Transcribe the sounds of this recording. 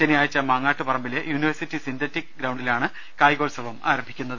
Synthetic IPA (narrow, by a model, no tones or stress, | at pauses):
t͡ɕenijaːjt͡ɕːɐmaːŋːaːʈːɨpɐrɐmbilejuːniʋɐrsitːisind̪ɐtːikɡɾɐwɳɖilaːɳɨ | kaːjɣoːlsɐʋɐma̰ːɾɐmbʱikʲːunːɐðɨ